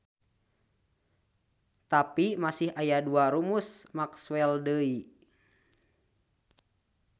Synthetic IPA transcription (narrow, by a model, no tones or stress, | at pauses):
t̪apimasihajaduaɾumusmakswɛldəi